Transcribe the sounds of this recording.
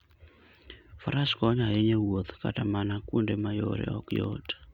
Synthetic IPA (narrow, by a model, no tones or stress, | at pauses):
faɾaskɔɲaɦeɲewot̪ka̰tamanakundemajo̰ɾɛ̰ɔ̰kjo̰tḁ